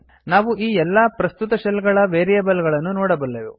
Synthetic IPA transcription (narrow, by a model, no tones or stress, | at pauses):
naːʋuʔiːɛlːɐpɾɐst̪ut̪ɐʃɐlɡɐɭɐʋeːɾijɐːbɐlɡɐɭɐnːunoːɽɐbɐlːeʋṵ